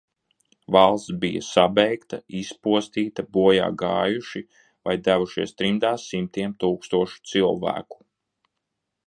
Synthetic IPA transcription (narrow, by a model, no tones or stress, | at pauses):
valˠst̪bija̰sabɛjkt̪ɐispuɔst̪iːt̪ɐbuɔja̰ːɡaːjuʃi | vajd̪ævuʃiɛst̪ɾind̪aːsːimt̪iɛmt̪uːkst̪uɔʃu̥t̪silˠvæ̰ːku̥